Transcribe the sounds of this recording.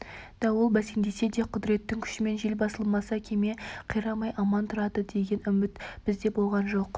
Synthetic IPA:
d̪̥ɑwəlˠbæseŋd̪e̞se̞d̪e̞qʰʊd̪ɾe̞t̪ːɪŋkʲʰʏ̥ʃɪme̞nʒelʲbɑsəlˠmɑsɑkʲʰe̞me̞qʰijɾɑmɑjʔɑmɑnt̪ʰʊɾɑd̪əd̪e̞ɡʲe̞nʏmɪt̪b̥ɪzd̪e̞bo̞lˠʁɑnʒo̞q

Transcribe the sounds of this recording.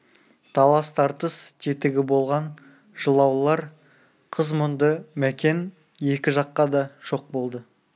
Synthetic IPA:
t̪ʰɑlˠɑst̪ʰɑɾt̪əst̪ʰet̪ɪɡʲɪbo̞lˠʁɑn | ʒəlˠɑwlˠɑɾ | qʰəzmʊnd̪əmækʲe̞n | je̞kʲɪʒɑqːɑd̪ɑʒ̥o̞q̚bo̞lˠd̪ə

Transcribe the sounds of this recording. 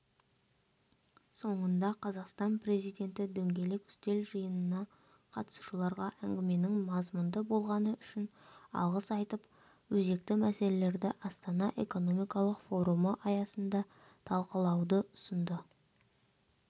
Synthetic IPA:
so̞ɴənd̪ɑqʰɑzɑqst̪ɑnpre̞zijd̪ʲe̞nt̪ɪd̪ɵŋɡʲe̞le̞kʏ̥st̪e̞lʒəjənənɑ | qʰɑt̪əsu̥ʃəlˠɑɾʁɑʔæŋɡʲɪme̞nɪŋmɑzmʊnd̪əbo̞lˠʁɑnəʏʃɪnɑ̰lˠʁəsɑjt̪əp | wɵze̞k̚t̪ɪmæse̞le̞le̞ɾd̪ɪʔɑst̪ɑnɑʔeko̞no̞mijkɑlˠəqfo̞ɾuməʔɑjɑsənd̪ɑ | t̪ʰɑlˠqəlˠɑwd̪əʊsənd̪ə

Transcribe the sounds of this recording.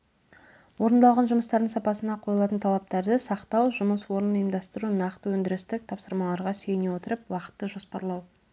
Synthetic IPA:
wo̞ɾənd̪ɑlˠʁɑnʒʊməst̪ɑɾd̪əɴsɑpɑsənɑqʰo̞jəlˠɑt̪ənt̪ʰɑlˠɑp̚t̪ɑɾd̪əsɑqt̪ɑwʒʊməswo̞ɾənjəmd̪ɑst̪əɾunɑqt̪əwɵnd̪ɪɾɪst̪ɪk̚t̪ʰɑpsəɾmɑlˠɑɾʁɑsyjenewo̞t̪əɾəpwɑqə̥t̪ːəʒo̞spɑɾlˠɑw

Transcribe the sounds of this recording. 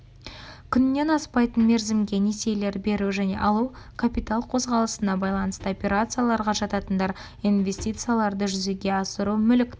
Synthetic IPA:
kʲʰʏnːe̞nɑspɑjt̪ənme̞ɾzɪmɡʲe̞nese̞jle̞ɾbe̞ɾuʒæne̞̰ʔɑlˠukʰapʲit̪alˠqʰo̞zʁɑlˠəsənɑbɑjlˠɑnəst̪əopʲe̞ɾat̪sɨjalˠɑɾʁɑʒɑt̪ɑt̪ənd̪ɑɾ | invʲe̞sʲt̪ʲijt̪sɨjalˠɑɾd̪əʒʏzeɡʲe̞ɑsəɾumʏlkʲ

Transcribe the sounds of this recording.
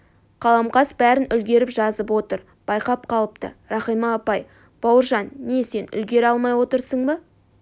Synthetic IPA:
qʰɑlˠɑmqɑsbæɾɪnʏlɡʲe̞ɾɪpʒɑzəp̬wo̞t̪əɾ | b̥ɑjqɑp̚qʰɑlˠəp̚t̪ə̰ɾɑχijmɑːpɑj | b̥ɑwəɾʒɑnːese̞nʏ̰lɡʲe̞ɾɑlˠmɑjwo̞t̪əɾsəɴmə

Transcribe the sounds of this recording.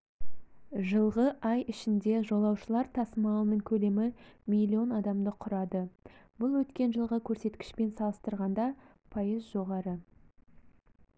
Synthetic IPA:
ʒəlˠʁəʔɑjɪʃɪnd̪e̞ʒo̞lˠɑwʃəlˠɑɾt̪ʰɑsəmɑənəŋkʲʰɵle̞mɪmʲilʲːio̞nɑd̪ɑmd̪əqʰʊɾɑd̪əbʊlˠwɵt̪kʲe̞nʒəlˠʁəkʲʰɵɾse̞t̪kʲɪ̥ʃpe̞nsɑlˠəst̪əɾʁɑnd̪ɑ | pʰɑjəzʒo̞ʁɑɾə

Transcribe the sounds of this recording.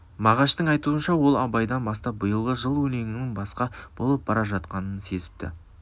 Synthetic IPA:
mɑʁɑʃt̪əɴɑjt̪uənʃɑwo̞lˠɑbɑjd̪ɑnbɑst̪ɑp̚bəjəlˠʁəʒəlˠwɵne̞ŋʲɪnɪŋbɑsqɑb̥o̞lˠəp̚bɑɾɑʒɑt̪qɑnənse̞zɪ̥p̚t̪ɪ̰

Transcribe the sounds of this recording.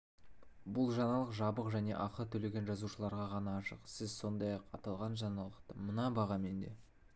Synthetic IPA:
bʊlˠʒɑnɑlˠəqʒɑbəqʒæne̞̰ʔɑqət̪ʰɵle̞ɡʲe̞nʒɑzuʃəlˠɑɾʁɑʁɑnɑːʃəqsɪzso̞nd̪ɑjɑqɑt̪ɑlˠʁɑnʒɑnɑlˠəqt̪əmənɑbɑʁɑme̞nd̪e̞̰

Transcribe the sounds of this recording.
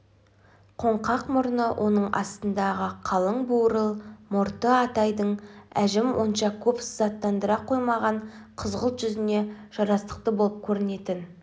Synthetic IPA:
qʰo̞ɴqɑqmʊɾnəwʔo̞nəɴɑ̰st̪ənd̪ɑʁəqʰɑlˠəɴbuɾəlˠmʊɾt̪əɑt̪ɑjd̪əɴæʒɪmwʔo̞nʃɑkʲʰɵpszɑt̪ːɑnd̪əɾɑqʰo̞jmɑʁɑɴqʰəzʁəlˠt̪ʒʏzɪne̞ʒ̥ɑɾɑst̪ə̥q̚t̪əbo̞lˠəp̚kʲʰɵɾɪne̞t̪ɪn

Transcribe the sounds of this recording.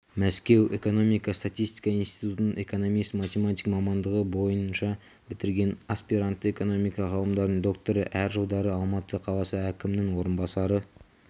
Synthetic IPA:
mæskʲe̞we̞ko̞no̞mijkɑst̪at̪ist̪i̥jkɑijnst̪i̥t̪ut̪ənəɴe̞kono̞mijsmɑt̪ʲemat̪ʲijkmɑmɑnd̪əʁəbo̞jənnʃɑ | bɪt̪ɪɾɡʲe̞naspiɾant̪ːəe̞ko̞no̞mijkɑʁɑlˠəmd̪ɑɾd̪əɴd̪o̞k̚t̪oɾəʔæɾʒɑw̪ˠd̪ɑɾəɑlˠmɑt̪əqʰɑlˠɑsəækʲɪmnɪŋwo̞ɾənbɑsɑɾə

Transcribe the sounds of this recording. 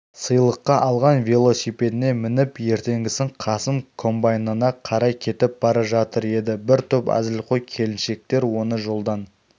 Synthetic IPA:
səjlˠəqːɑʔɑlˠʁɑnvʲilˠo̞sipe̞d̪ɪne̞mɪnɪpje̞ɾt̪e̞ŋɡʲɪsɪɴqʰɑsəmkʰo̞mbajnɑnɑqʰɑɾɑjkʲʰe̞t̪ɪp̚bɑɾɑʒɑt̪əɾe̞d̪ɪbɪɾt̪ʰɵpæ̰zɪlqʰojkʲʰe̞lɪnʃe̞k̚t̪e̞ɾwo̞nəʒo̞lˠd̪ɑn

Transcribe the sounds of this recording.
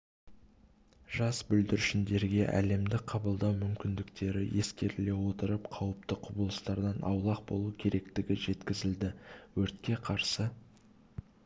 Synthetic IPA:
ʒ̥ɑsbʏld̪ɪɾʏʃɪnd̪e̞ɾɡʲe̞ʔæ̰le̞md̪ɪqʰɑbəlˠd̪ɑwmʏmkʲɪnd̪ɪkt̪e̞ɾɪje̞skʲe̞ɾɪle̞wo̞t̪əɾəpqʰɑwəp̚t̪əqʰʊbəlˠəst̪ɑɾd̪ɑnʔɑ̰wlˠɑq̚bo̞̰lˠukʲʰe̞ɾe̞kt̪ɪɡʲɪʒe̞t̪kʲɪzɪld̪ɪwɵɾt̪kʲe̞qʰɑɾsə

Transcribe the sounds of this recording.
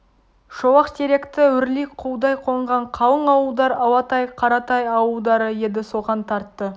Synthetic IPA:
ʃowɑqt̪ʰeɾe̞kt̪ɪwʏɾliqʰuwd̪ɑjqʰo̞ɴʁɑɴqʰɑlˠəɴɑwəlˠd̪ɑɾɑwɑt̪ɑjqʰɑɾɑt̪ɑjɑwəwd̪ɑɾəje̞d̪ɪso̞ʁɑnt̪ʰɑɾt̪ːə

